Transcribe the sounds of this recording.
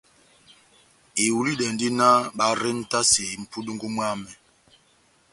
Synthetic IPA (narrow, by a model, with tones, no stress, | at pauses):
i˨wu˨li˦dɛ˨ndi˦na˦ɓa˨ɾe˦n̩˦ta˦se˨i˨m̩˨pʰu˦du˦ŋɡu˦mwa˦mɛ˨